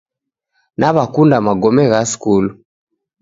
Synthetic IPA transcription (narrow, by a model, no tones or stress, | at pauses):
naβakundamaɡɔmɛɣaskulu